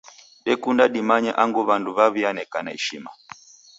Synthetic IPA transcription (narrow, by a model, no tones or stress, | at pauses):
ɓɛkundaɗimaɲɛʔaŋɡuβanduβaβianɛkana̰ḭʃima̰